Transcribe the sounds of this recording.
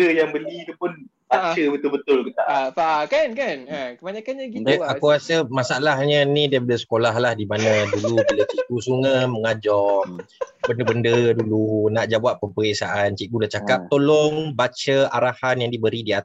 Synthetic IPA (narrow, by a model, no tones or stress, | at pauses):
əjaŋbəlit̪upʊn | baəbət̪ʊlbət̪ʊlkət̪aʔfakankanəkəbaɲakanɲakid͡ʒəakuasəmasaalahɲənidəpadəsə̥kolaɦlahdimanadulubilət͡ʃiʔkusuŋəməŋad͡ʒɔmbəndəbəndədulunaʔd͡ʒawapːəmpəɾesaʔant͡ʃiʔɡulat͡ʃakap̚t̪olɔŋbat͡ʃəaɾahanjaŋdibəɾidiat̪